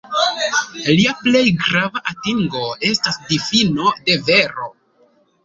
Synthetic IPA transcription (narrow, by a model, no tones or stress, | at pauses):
liaple̞jɡɾavaʔatiŋɡo̞e̞stasdifino̞de̞ve̞ɾo̞